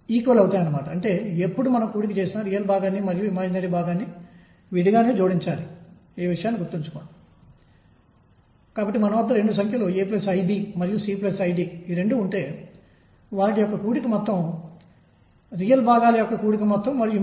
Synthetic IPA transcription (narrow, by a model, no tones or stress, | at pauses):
iːkʋɐlɐwut̪aːjɐnːɐmaːʈɐɐɳʈe̞ːepːuɽumɐnɐmkuːɽik̬it͡ʃe̞ːsinaːɾiːjɐlbʱaːɡaːnːimɐɾijuimaːd͡ʒɐnɐːʈibʱaːɡaːnːi | ʋiɽiɡaːneːd͡ʒuːɽiɲt͡ʃaːli | eːʋiʂɐjaːnːiɡuɾt̪ːiɲt͡ʃu̥kɔːɳa | kaːbɐʈːimɐnɐʋɐd̪ːɐɾe̞ɳɖusɐŋkʰjɐloːeːplɐsɐjbiːmɐɾijusiːplɐsɐjɖiːɾe̞ɳɖuːɳʈe̞ː | ʋaːʈijɔkːɐkuːɽikimɔt̪ːɐm | ɾijɐlbʱaːɡaːlɐjɔkːɐkuːɽik̬imɔt̪ːɐmːɐɾiju